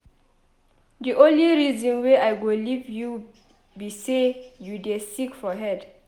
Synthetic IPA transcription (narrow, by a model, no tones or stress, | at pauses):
diʔõnliɹizɔ̃nweajɡolivju | bisejudesikfɔɦɛd